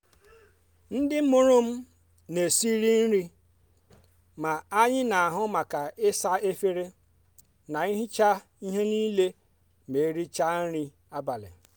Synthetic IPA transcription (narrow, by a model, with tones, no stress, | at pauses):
n̩˦dɪ˦mʊ˦ɾʊ˦m̩˦ | ne˨si˦ɾi˦n̩˦ɾi˦ | ma˨a˦ɲɪ˦na˨a˨ɦʊ˦ma˨ka˨ɪ˦sa˦e˦fe˦ɾe˦ | na˨i˦ɦi˦t͡ʃa˦ | i˦ɦe˦niː˦le˦ | me˨˦ɾi˦t͡ʃa˦n̩˦ɾi˦ | a˦ba˨lɪ̰˨